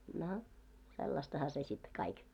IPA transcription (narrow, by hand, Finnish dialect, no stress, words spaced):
no selːɑstɑhɑ se sit kɑik